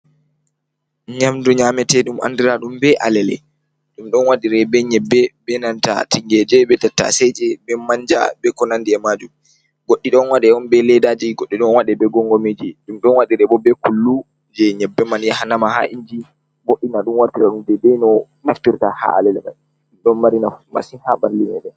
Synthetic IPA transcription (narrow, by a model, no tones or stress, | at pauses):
ɲamduɲamɛtɛɗuma̰ndiɾaɗumbɛʔa̰lɛlɛ̰ | ɗumɗɔnwaɗiɾɛbɛɲɛbːɛbɛnanta̰tiŋɡɛd͡ʒɛbɛtɛtːa̰sɛd͡ʒɛbɛmaɲd͡ʒa̰bɛkɔnandiɛmaːd͡ʒum | ɡoɗːiɗɔnwaɗɛɔnbɛlɛdad͡ʒiɡoɗːiɗɔnwaɗɛbɛɡɔŋɡɔmed͡ʒiɗumɗɔnwaɗiɾɛbɔbɛkulːu | d͡ʒɛɲɛbːɛmanjahanamaha̰ʔiɲd͡ʒi | boɗːinaɗunwaɾtiɾaɗumbɛbɛnɔ | naftiɾtaha̰ʔa̰lɛlɛma̰j | ɗumɗɔnmaɾinama̰sihabanːinɛɗɛ